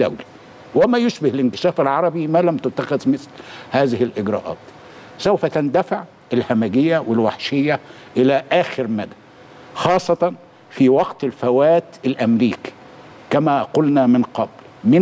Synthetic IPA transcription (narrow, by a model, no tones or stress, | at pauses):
æ̰wlæ | wɪmæjoʃbɪhlɪnkɪ̥ʃæːfɪlʕɑɾˤɑbimælæmt̪ʊt̪ːæxɪðmɪθlhæːzɪhɪlʔɪɡɾˤɑ̰ːʔɑ̰ːt̪ | sowfæt̪ænd̪æfɪʕ | ʔɪlhæmæɡɪjːæwɪlwaħʃɪjːæ | ʔɪlæʔæːxɪɾmæd̪æ | xɑːsˤːɑt̪ɑn | fiwɑqt̪ɪlfæwæːt̪ɪlʔæmɾiːki̥ | kæmæqolnæmɪnqɑbl | mɪ